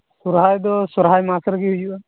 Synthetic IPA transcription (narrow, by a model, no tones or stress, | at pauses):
suɾɦajd̪ɔsuɾɦajmasɔɾɡihujuʔa